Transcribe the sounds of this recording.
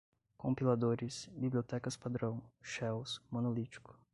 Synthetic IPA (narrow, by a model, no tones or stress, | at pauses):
kõmpilad̪oɾɪsbiblʲiot̪ɛkɐspad̪ɾɐ̃w̃ʃɛwsmõnolit͡ʃi̥kʊ̥